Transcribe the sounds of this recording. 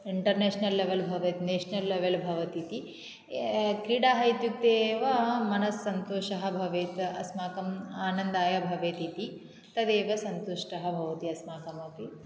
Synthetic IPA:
iɳʈɐɾneːʂnɐlːeʋelbʱɐʋɐt̪ineːʂnɐlːeʋelbʱɐʋɐt̪it̪i | kɾiːɽaːɦɐjt̪juk̚t̪eːʋɐmɐnɐsːɐnt̪oːʃɐɦɐ̆bʱɐʋeːt̪ɐsmaːkɐmaːnɐnd̪aːjɐbʱɐʋeːt̪it̪i | t̪ɐd̪eːʋɐsɐnt̪uʂʈɐɦɐ̆bʱɐʋɐt̪iɐsmaːkɐmɐpi

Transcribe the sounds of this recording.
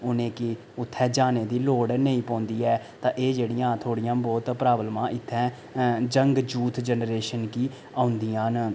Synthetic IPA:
ʊnẽːkɪ | ʊt̪ʰːɛːd͡ʒaːneːd̪iːloːɽneĩːpɔ̃ːnd̪iːɛːt̪ãːʔeːd͡ʒeːɽɪjãːt̪ʰoːɽijãːbɔːt̪pɾaːbəlmãːʔɪt̪ʰːɛ̃ː | d͡ʒəŋɡd͡ʒuːt̪ʰd͡ʒənɾeːʃənkiː | aːʊnd̪iːãːn

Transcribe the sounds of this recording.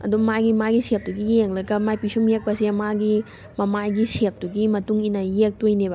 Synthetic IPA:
ɐ̰dumaɡimaɡisep̚duɡijeŋlɐɡɐmajpisumjek̚pɐsiɐmaɡi | mɐmajɡisep̚duɡimɐtuŋinɐjek̚tojneba

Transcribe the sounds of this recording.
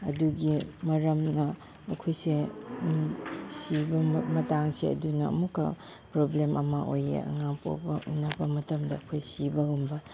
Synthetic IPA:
ɐduɡimɐɾɐmnɐː | kʰojse | sibɐmɐtaŋseɐ̰dunɐɐ̰mukːɐ̰ | pɾoblemʔɐ̰mɐʔojḛɐ̰ŋapo̰pɐʔunɐbɐmɐtɐmdɐːkʰojsibɐhunbɐ

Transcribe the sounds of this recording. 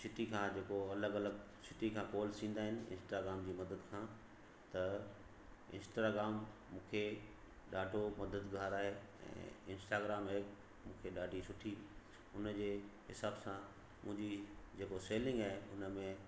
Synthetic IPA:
sɪʈikʰãːd͡ʑeːkoɐləɡɐləɡ | sɪʈikʰãːkɔːlsĩːn̆d̪aːɦɪnɪ̆ɪ̰̃nsʈaːɡɾaːmd͡ʑiːmɐd̪əd̪kʰãː | t̪ɐ | ɪ̰̃nsʈɾaːɡɾaːmː | ũːkʰe | ɗaːɖʱomɐd̪əd̪ɡʱaːɾaːɦe | ɛ̰̃ːɪ̃nsʈaːɡɾaːmeːk | mũːkʰeɗaːɖʱisʊʈʰi | ʊnd͡ʑeːɦɪsaːbsã | mʊ̃ɦɪ̃ɲd͡ʑid͡ʑeːkoseːlɪ̃ŋɡaːɦeʊnəmẽ

